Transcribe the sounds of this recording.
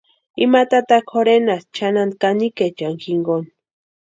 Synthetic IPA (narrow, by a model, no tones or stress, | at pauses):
imat̪at̪axkxoɾenast͡ʃʰanand̪̚kaniket͡ʃaŋxiŋɡon